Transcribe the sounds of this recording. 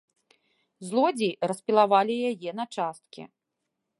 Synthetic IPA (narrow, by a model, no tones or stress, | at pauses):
zlˠɔd͡zʲirɐspʲilˠavalʲijajɛnɐt͡ʂast̪̚kʲɛ̰